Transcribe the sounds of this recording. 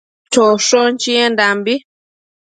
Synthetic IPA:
t͡ʃɔʃɔnt͡ʃiendambi

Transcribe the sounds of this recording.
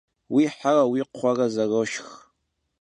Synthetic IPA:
wiːħarɐwiːqχʷɑrɐzɐroʃx

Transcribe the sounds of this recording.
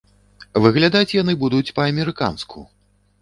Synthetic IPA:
vɨɣlʲad̪at͡sʲjanɨbud̪ut͡sʲpɐːmʲɛɾɨka̰nskʰṵ

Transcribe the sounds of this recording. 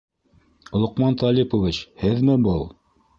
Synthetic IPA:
ŏlˠŏqmɑnt̪ɑlʲipŏvʲit͡ɕhɘðmɘbɤlˠ

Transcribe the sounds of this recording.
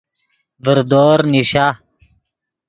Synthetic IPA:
vəɾd̪oːɾniɕa

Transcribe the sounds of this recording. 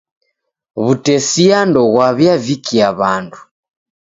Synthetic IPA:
βutɛsiandɔɣwaβjavikiaβandu

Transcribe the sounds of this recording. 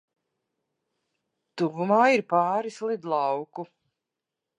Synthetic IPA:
t̪uvumaːiɾpaːɾislˠid̪lˠɑwku

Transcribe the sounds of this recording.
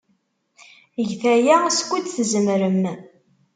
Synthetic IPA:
əʝθæjæskʷːut͡s̪θzəmɾəm

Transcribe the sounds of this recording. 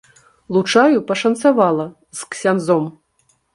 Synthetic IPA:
lˠut͡ʂajupɐʂɐnt̪savalˠɐ | zksʲanzɔm

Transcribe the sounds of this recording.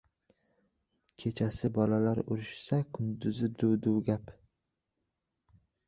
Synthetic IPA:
kʲʰe̞t͡ʃʰasɪbɒlalaɾʊ̰ɾɪʃsakʰʊnd̪ʊzɪd̪uwd̪uwɡʲap

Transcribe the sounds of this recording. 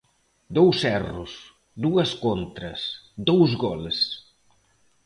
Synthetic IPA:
d̪ɔwsɛrus | d̪uɐskont̪ɾɐ̰s | d̪ɔwzɣɔls

